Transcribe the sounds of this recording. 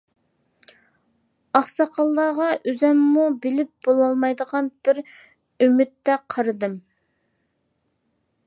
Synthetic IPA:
ɑχsɑqʰɑlˠːɑːʁɑʔyzɛmːubɪlɪp̚b̥olˠɑlˠmɑjd̪əʁɑnb̥ɪɾ | ymɪt̪ːɛqʰɑɾɨd̪ɨm

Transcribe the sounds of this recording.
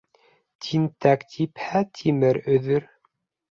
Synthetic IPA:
t̪ʰint̪ækt̪ʰiphæt̪ʲʰimɘɾɵ̆ðɵɾ

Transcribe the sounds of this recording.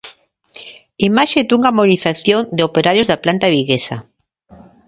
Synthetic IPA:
imaʃed̪uŋamoniθaθjond̪eopeɾaɾjozðaplant̪aβiɣesa̰

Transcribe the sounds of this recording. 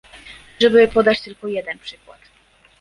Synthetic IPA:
ʐɛbɘpɔd̪at͡ɕt̪ɘlkɔjɛd̪ɛnpʂɘkwa̰t̪

